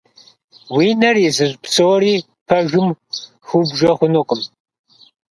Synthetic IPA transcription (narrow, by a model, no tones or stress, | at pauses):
wiːnɐrizɨʑpsoːriː | pʰɐʒɨm | xubʒɐχʷʊnoqʼʊm